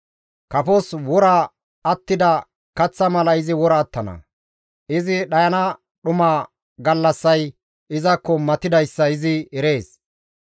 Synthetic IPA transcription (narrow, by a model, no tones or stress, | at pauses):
kɐfɔswɔɾɐ | ɐt̪ːɪd̪ɐ | kɐt͡sːɐmɐlɐɪzɪwɔɾɐːt̪ːɐnɐ̰ | ʔɪzɪɗɐjɐnɐ | ɗʊmaː | ɡɐlːɐsːɐj | ʔɪzɐkːɔmɐt̪ɪd̪ɐjsːɐɪzɪɛɾe̞ːs